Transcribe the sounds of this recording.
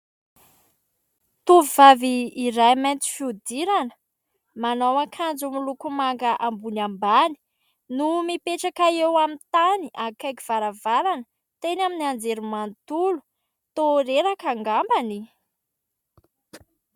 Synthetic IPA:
t̪uvivaviːɾajmant͡s̪i̥fiud̪iɾanə̥ | manowakʰand͡zumilukumaŋɡəʔambunambani̥ | numipeʈ͡ʂakaewamint̪aniʔakajkiv̥aɾavaɾanə | t̪enaminand͡zeɾumant̪ulu̥ | t̪oɾeɾakaŋɡambani

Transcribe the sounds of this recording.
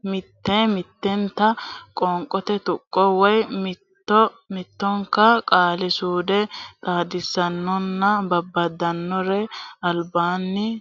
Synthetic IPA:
mɪt̪ːemɪt̪ːɛnt̪ːɐkʼɔŋkʼːɔt̪ɛt̪ʊkʼːɔwɔjmɪt̪ːɔmɪt̪ːɔŋkːɐkʼaːlɪsuːd̪ɛt̪ʼaːd̪ɪsːɐnːɔnːɐbɐbːɐd̪ɐnːɔɾɛɐlbaːnːɪ

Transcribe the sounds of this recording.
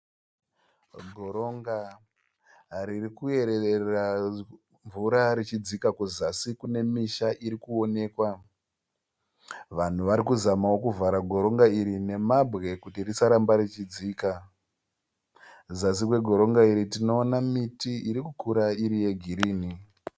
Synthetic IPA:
ɡʱo̞ɾo̞ŋɡa | ɾirikue̞ɾeera | ɱvuɾaɾit͡ʃid͡zikakuzasikune̞miʃaʔiɾikuo̞ne̞ːkwa | ʋan̤uʋaɾikuzamawokuvaɾaɡʱo̞ɾo̞ŋɡaiɾine̞mabʱɣe̞kutirisaɾambaɾit͡ʃid͡ziːka | zasikwe̞ɡʱo̞ɾo̞ŋɡaiɾitino̞ːnamitiiɾikukuɾaiɾije̞ɡʱiɾiːni

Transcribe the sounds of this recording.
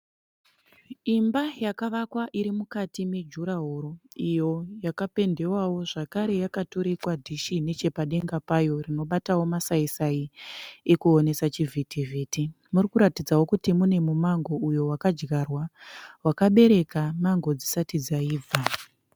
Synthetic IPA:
imbajakaʋakwaʔiɾimukatime̞d͡ʒuɾaɦoɾo̞ijo̞jakape̞nde̞wawo̞ʐakaɾe̞jakatoɾikwadʱiʃine̞t͡ʃe̞paɗe̞ŋɡapajo̞rino̞ɓatawo̞masaisaiekuone̞sat͡ʃivʱitevʱeːti | murikuɾatid͡zawo̞kutimune̞mumaŋɡo̞ujo̞wakad͡ʒɡarwawakaɓe̞ɾe̞kamaŋɡo̞d͡zisatid͡zaiːa

